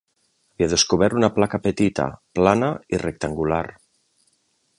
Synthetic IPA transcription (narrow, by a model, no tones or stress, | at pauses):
aβiaðeskuβɛɾt̪unaplakapət̪it̪a̰planairek̚t̪aŋɡula̰ɾ